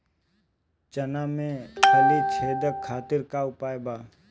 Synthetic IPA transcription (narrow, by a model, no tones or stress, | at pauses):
t͡ʃənaːmẽkʰəlit͡ʃʰeːd̪əkʰːaːt̪ɪɾkaʊpaːebaː